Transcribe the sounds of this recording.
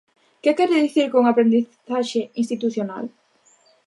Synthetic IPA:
kekɛɾeðiθiɾkoŋapɾend̪iθaʃeinst̪it̪uθjona̰l

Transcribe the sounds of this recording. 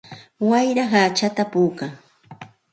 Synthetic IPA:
wajɾaχaːt͡ʃat̪apuːkaŋ

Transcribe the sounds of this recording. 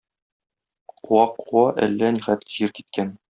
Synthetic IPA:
wɑquwɑʔælːæniχæt̪ʑiɾkit̪̚kæn

